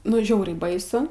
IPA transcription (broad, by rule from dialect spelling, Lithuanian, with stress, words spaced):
ˈnʊ ˈʒʲɛʊrʲɛɪ ˈbɐɪsʊ